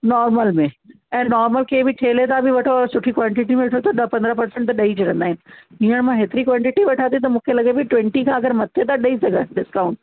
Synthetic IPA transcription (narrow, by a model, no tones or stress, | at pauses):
nɔːɾməlmẽ | ɛ̃ːnɔːɾməlkʰeːbʱɪʈʰeːlet̪ʰabʱɪʋɐʈʰoːɾsʊʈʰikwãːɳʈɪʈimẽʋɐʈʰot̪ʰɐɗɐpɐ̃nd̪ɾəɦpɐɾsɛ̃ɳʈt̪ɗɐid͡ʑiɾɐ̃nd̪aːɦɪnɪ̆ɦiːəɽ̃mãɦɪt̪ɪɾikwãːɳʈɪʈiʋɐʈʰat̪it̪̬ɐmũːkʰelɐɠebɪʈʋɛ̃ɳʈikʰãːɐɡəɾmɐt̪ʰːet̪ʰaɗɐisɐɡʱəɗɪskaʊ̃ɳʈ